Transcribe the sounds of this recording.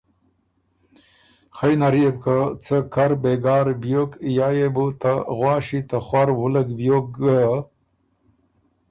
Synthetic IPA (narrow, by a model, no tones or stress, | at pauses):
xajnaɾieb̚kat͡səkʰaɾbeɡaːɾbjokjaːjebut̪aɣwɑːɕit̪axwaɾwuləɡbjok̚ɡa